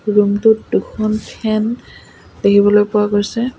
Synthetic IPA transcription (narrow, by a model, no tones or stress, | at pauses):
ɹumtʊtdukʰɔntʰɛn | d̥ekibɔlojpʊwakoɹsɛ